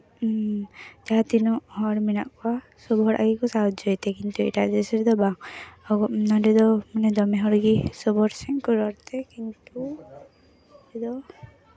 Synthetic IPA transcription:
d͡ʒ̪aat̪inɔʔhɔɽminaʔkɔa | sɔbɔɦɔɾʔa̰ɡikɔsaɔd̪d͡ʒɔjt̪ɛkint̪uḭʈad̪ɛsɛɾd̪ɔbaŋɔɡɔnadɛd̪ɔmanɛd̪ɔmɛɦɔɾɡisɔbɔɾsɛŋkɔɾɔɾt̪ɛkint̪u | dɛd̪ɔ

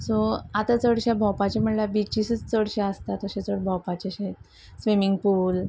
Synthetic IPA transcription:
soat̪at͡səɽɕabʱɔwpat͡ɕem̤əɳljabit͡ɕisət͡st͡səɽɕaəst̪at̪əɕet͡səɽbʱɔwpat͡ɕeɕet̪̚ | sʋimiŋɡpul

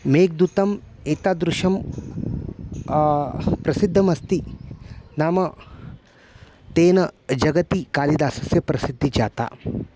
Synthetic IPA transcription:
meːk̚d̪ut̪ɐm | eːt̪aːd̪ɾuʃɐm | pɾɐsid̪ʱːɐmɐst̪i | naːmɐ | t̪eːnɐd͡ʒɐɡɐt̪ikaːlid̪aːsɐsjɐpɾɐsid̪ʱːid͡ʒaːt̪a̰ː

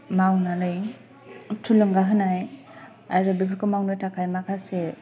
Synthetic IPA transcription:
mawnaɾɯj | tʰulɯŋɡaɦɯnaj | aɾɯbibʰɯɾkʰɯmawnɯjtakʰajmakʰase

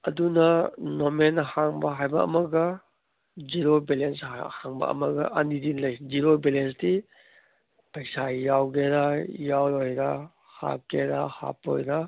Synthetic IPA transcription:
ɐdunɐnomenhaŋbɐɦajbɐɐ̰mɐɡɐ | d͡ʒiɾobelenshaŋbɐ̰ɐ̰mɐɡɐ̰ʔɐnidinlɐjd͡ʒiɾobelensti | pɐjsajawɡeɾajawɾojɾa | ha̰p̚keɾaha̰po̰jɾa

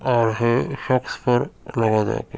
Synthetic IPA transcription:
ɔːɾɦeʃɐkspəɾlɐɡad͡ʒa̰ḛke

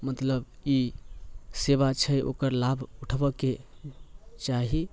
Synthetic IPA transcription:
mət̪ləbi | seβat͡ʃʰəjʔo̰kəɾlabʱuʈʰbəke | t͡ʃaɦi

